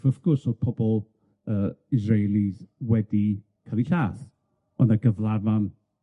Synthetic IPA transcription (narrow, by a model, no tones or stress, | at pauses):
vəfɡ̥ʊrsodpʰɔbɔlˠ | əːɪzrejlˠizwɛdi | kʰaliɬaːθ | ɔndaɡəvlˠavan